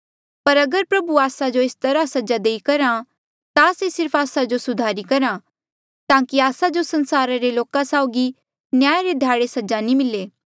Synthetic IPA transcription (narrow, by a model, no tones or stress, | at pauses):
pɐɾɐɡəɾpɾɐbuaːsad͡ʒoɪst̪ɐɾasɐd͡ʒad̪eikɐɾã | t̪asesɪɾpʰaːsad͡ʒosʊd̪ʱaːɾikɐɾã | t̪ãːkiaːsad͡ʒosɐ̃nsaːɾaɾeloːkãsaʊɡi | njaːjɾed̪ʱjaːɽesɐd͡ʒanĩmɪleː